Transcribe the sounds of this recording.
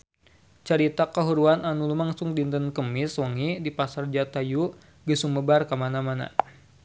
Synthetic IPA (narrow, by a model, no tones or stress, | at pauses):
t͡ʃəɾit̪akaɦuɾuananulumaŋsʊŋdint̪ənkəmɪswɔŋidipasard͡ʒat̪aju | ɡəsuməbarkamanamana̰